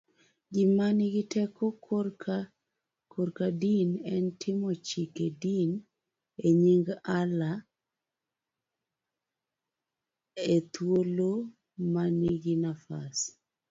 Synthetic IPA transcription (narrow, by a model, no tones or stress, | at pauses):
ɡɪmanɪɡɪtʰɛkɔkra | koɾkadinɛntʰɪmɔt͡ʃikedin | eɲiŋɡala | et̪wolo | manɪɡɪnafa̰s